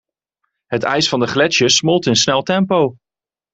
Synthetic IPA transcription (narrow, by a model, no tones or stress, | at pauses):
ɦətɛ̰jsfɑndəχlɛʃəsmɔlˠtɪnsnɛlˠtɛmpow